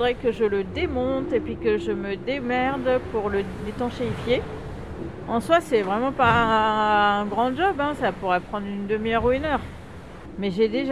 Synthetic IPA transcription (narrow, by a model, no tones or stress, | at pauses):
d̪ʁɛkəʒələd̪emɔ̃t̪epɥikəʒəməd̪emɛʁd̪puʁləlet̪ɑ̃ʃeifje | ɑ̃swasɛvʁɛmɑ̃paɛɛ̃ɡʁɑ̃d͡ʒɔbɛ̃sapuʁɛpχɑ̃d̪ʁynd̪əmijœʁuynœʁ | mɛʒed̪eʒ